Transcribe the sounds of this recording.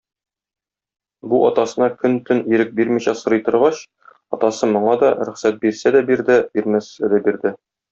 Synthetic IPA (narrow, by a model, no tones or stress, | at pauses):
buʔɒt̪ɑsɤ̆nɑkɵnt̪ɵniɾɘk̚biɾmiɕæsɤ̆ɾɤ̆jt̪ɤ̆ɾʁɑɕ | ɒt̪ɑsɤmŏɴɑd̪ɒɾɵ̆χsæt̪̚biɾsæd̪æbiɾd̪ɘbiɾmæsæd̪æbiɾd̪ɘ